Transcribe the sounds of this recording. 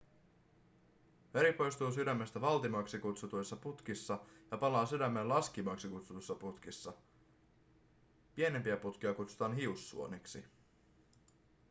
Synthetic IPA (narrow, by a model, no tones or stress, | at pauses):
ʋeɾipo̞jst̪uːsydæmːe̞st̪æʋɑlt̪imɑksikut̪sut̪ujsːɑput̪k̟isːɑjɑpɑlɑːsydæmːe̞lɑsk̟imɑksikut̪sut̪ujsːɑput̪k̟isːɑ | pie̞ne̞mpiæput̪k̟iɑkut̪su̥t̪ɑːnɦiusːṵo̞̰neksi